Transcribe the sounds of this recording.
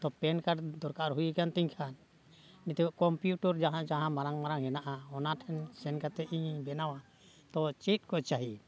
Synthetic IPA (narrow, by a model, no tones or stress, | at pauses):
t̪ɔpɛnkad̪ɔɾkaɾɦujikant̪iɲkʰanː | it̪ɛɔʔkɔmpjuʈɔɾd͡ʒaɦãd͡ʒaɦãmaɾaŋmaɾaŋɦɛnaʔaɔnaʈʰɛnsɛnkat̪ɛʔiɲbɛnawa | t̪ɔt͡ʃit̪̚ˀkɔt͡ʃaɦi